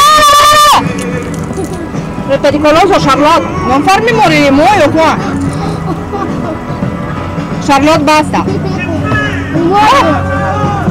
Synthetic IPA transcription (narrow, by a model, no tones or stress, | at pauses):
ɾep̪eɾikɔlozoʃaɾlɔt̪̚mɔnfaɾmimoɾiɾimojoɦuã | ʃaɾlɔt̪̚bast̪a̰ | o